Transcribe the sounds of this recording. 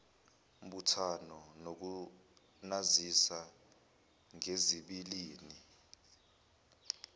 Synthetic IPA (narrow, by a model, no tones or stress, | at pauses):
um̩ɓutʰanɔnok̬u | nazisa | ŋeziɓiliːni